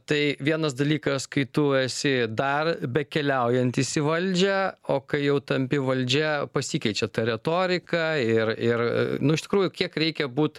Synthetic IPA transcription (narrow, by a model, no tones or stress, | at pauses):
t̪ɐɪʋʲiɛnɐsd̪ɐlʲiːkɐskɐɪt̪ʊɛsʲɪd̪ɐrbʲɛkʲɛlʲɛʊjɛnʲt̪ɪsʲɪʋɐlʲd͡ʒʲɛoːkɐɪjɛʊt̪ɐmʲpʲɪʋɐlʲd͡ʒʲɛpɐsʲiːkʲɛɪt͡ʃʲɛt̪ɐɾʲɛt̪oːɾʲɪkɐɪrɪrnʊɪʃt̪ʲɪ̥kɾuːjʊkʲiɛkɾʲɛɪkʲɛbuːt̪